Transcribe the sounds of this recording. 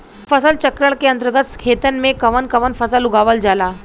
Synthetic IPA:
fəsəlt͡ɕəkɾəɭkeənt̪ɾəɡət̪kʰet̪ənmekəʋənkəʋənfəsəluɡaʋəld͡zala

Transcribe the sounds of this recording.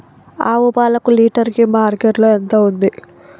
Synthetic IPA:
aːʋubaːlɐkuliːʈɐɾkimaːɾkeːʈloːɛnt̪oːund̪i

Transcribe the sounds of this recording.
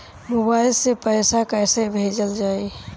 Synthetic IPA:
mobaɪlsepəɪsakəjsəbʱed͡ʒəld͡ʒaːi

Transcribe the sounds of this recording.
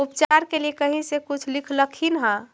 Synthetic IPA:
upt͡ʃaɾkelijekəɦĩsekʊt͡ʃʰlɪkʰləkʰinɦə̃

